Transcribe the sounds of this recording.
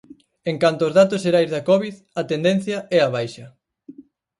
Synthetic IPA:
eŋkant̪oːzðat̪ʊsʃeɾajzðɐkɔβið | ɐt̪end̪en̟θjɐʔɛɐβ̞ajʃɐ

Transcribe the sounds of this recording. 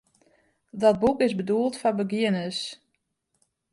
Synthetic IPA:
dɔt̚bukɪzbəduəlˠtfɔbəɡɪənəs

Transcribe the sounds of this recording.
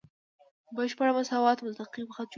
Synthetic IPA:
bəʃpaɽamasɑwɑt̪mʊt̪aqipəxat̪̚t͡ʃ

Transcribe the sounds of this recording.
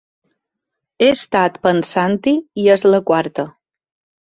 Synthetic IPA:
est̪at̪pənsant̪iiəzləkwaɾt̪ə

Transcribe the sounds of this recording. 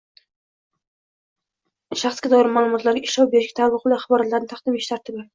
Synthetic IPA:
ʃaχsɡʲad̪ɒjɪɾɪmaːlˠʊmɒt̪laɾɡʲaɪʃlɒwbeɾɪʃkʲḁt̪ʰalˠɨqbɪlaχɑbɒɾat̪laɾɪnɪt̪ʰaqd̪ɪmeʃt̪ʰaɾt̪ʰɪbɪ

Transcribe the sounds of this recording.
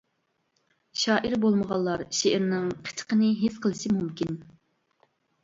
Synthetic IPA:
ʃɑːʔiɾbolˠməʁɑlˠːɑɾʃeʔɪɾnɨŋqʰə̥t͡ʃʰə̥qənɨɦesqʰəlˠɨʃimumkʲin

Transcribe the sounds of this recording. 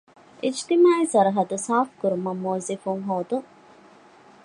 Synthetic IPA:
ʔid͡ʒt̪imaːisɐɾɐɦɐd̪usaːfkuɾumɐmːoːzifuŋɦoːd̪uŋ

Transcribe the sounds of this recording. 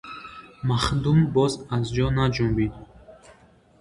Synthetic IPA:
maχd̪umbɔzazd͡ʒɔnad͡ʒumbid̪

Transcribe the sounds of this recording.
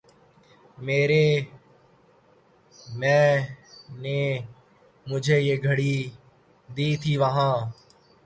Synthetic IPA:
meːɾeː | mɛ̃ː | neː | mʊd͡ʒʱeːjeːɡʱəɽiː | d̪iːt̪ʰiːʋəɦãː

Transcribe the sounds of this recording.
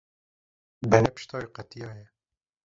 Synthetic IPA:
bɛnɛpɨ̥ʃt̪ʰɑːjiqæt̪ijɑːjɛ

